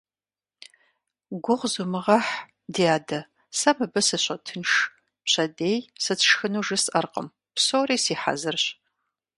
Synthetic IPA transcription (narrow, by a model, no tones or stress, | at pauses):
ɡʷʊʁzumɨʁɐħ | dijaːdɐ | sɐmɨbɐsɨɕʷʼɐtʰɨnʂ | pɕʰʼɐdeːjsɨt͡sʰʂxɨnuːʒɨsʼʔɐrqə̰m | psoːriːsiːħa̰zɨrɕ